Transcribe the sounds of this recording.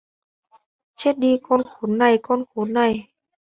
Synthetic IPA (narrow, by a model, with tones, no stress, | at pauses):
t͡ɕe˦˥t̚ɗi˧kɔ˧nxo˨˦nːa˨˩jkɔ˧nxo˨˦nːa˨˩j